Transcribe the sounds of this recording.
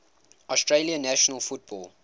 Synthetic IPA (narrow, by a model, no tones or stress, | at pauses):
ɔstɹeliə̃næʃənəlˠfut̚b̥ɔlˠ